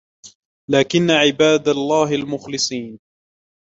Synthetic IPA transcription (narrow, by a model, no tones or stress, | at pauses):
laːkɪnːaʕɪbaːd̪alˤːaːɦalmʊxlɨsˤiːn